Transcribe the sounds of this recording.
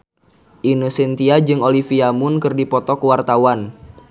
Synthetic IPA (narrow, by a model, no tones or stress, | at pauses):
ʔinusint̪iad͡ʒɨŋolifiamʊnkɨrdipɔt̪ɔkəwart̪awan